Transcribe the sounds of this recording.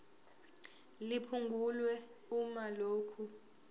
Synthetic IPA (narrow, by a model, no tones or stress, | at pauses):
lipʰuŋɡʱulwɛ | umaloːkʰu